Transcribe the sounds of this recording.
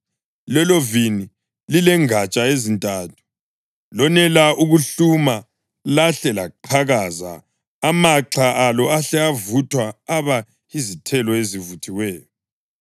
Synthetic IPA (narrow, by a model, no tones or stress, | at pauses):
lɛlɔvini | lilɛŋat͡ʃʼaezintʼaːtʰu̥ | lɔnɛlaʔuɣuɬuma | laɬɛlaǃʰaɣaza̰ː | maǁʰaʔalɔaɬɛavutʰwaːβa | izitʰɛlɔezivutʰiwɛːjɔ